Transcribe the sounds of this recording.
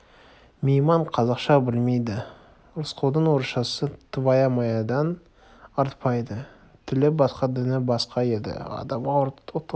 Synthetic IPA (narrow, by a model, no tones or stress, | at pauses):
mejmɑɴqʰɑzɑqʃɑbɪlme̞jd̪ɪ | ɾʊsqʰolˠd̪əɴwo̞ɾʃɑsət̪ʰəvɑjɑmɑjɑd̪ɑn | ɑɾt̪pɑjd̪ə | t̪ʰɪlɪbɑsqɑd̪ɪnɪbɑsqɑe̞d̪ɪ̰ɑ̰d̪ɑmʁɑt̪